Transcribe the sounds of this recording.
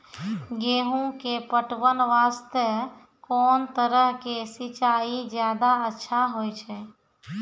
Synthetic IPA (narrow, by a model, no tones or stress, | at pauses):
ɡeːɦũkepəʈʋənʋaːst̪ə | kɔːnt̪əɾəɦkesɪt͡ʃaːid͡ʒjaːd̪aətːʃʰaɦoːjt͡ʃʰɛ